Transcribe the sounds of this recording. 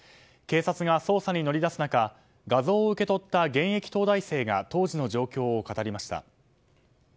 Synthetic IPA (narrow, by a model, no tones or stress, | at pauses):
ke̞ːsat͡sɨɡaso̞ːsaɲ̟ino̞ɾʲid̪asɨnaka | ɡazo̞ːɯ̟ke̞t̪o̞t̪ːaɡẽ̞ɰ̃e̞kʲi̥t̪o̞ːd̪aise̞ːɡat̪o̞ːʑino̞ʑo̞ːkʲo̞ːokat̪aɾʲimaɕi̥t̪a̰